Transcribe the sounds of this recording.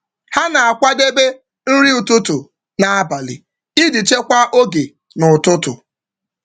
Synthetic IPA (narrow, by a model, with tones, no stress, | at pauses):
ha˦na˨a˨kʷa˦de˦be˦ | n̩˦ɾi˦ʊ˨tʊ˦tʊ˨ | na˨a˦ba˨lɪ̰˨ | ɪ˦di˨t͡ʃe˦kʷa˦ʔo˦ɡe˨ | nʊ˨tʊ˦tʊ̰˨